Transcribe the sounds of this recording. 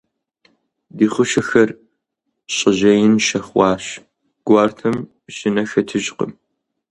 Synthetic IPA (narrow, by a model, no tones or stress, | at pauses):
diːχʷʊʃɐxɐr | ɕʼɪʑɐjɪnʃɐχʷɑːɕ | ɡ̥ʷɑːrtʰɐm | ɕɪnɐxɐtʰɨʑqə̰m